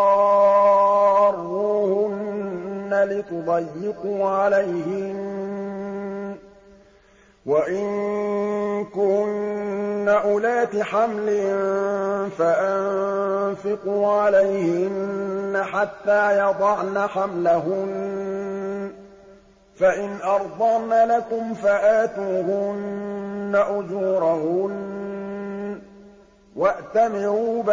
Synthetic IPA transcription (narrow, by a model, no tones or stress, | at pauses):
rːuːhʊnː | alɪt̪ʊd̪ˤɑjːɪquːʕalajhɪn | waʔɪŋ | kʊnː | aʔʊlaːt̪ɪħamlɪnfaʔanfɪquːʕalajhɪnːaħat̪ːaːjɑd̪ˤɑʕnaħamlaɦʊn | faʔɪnʔɑɾˤd̪ˤɑʕnalakʊmfaʔaːt̪uːhʊnː | aʔʊd͡ʒuːɾahʊn | waʔt̪amɪɾuːb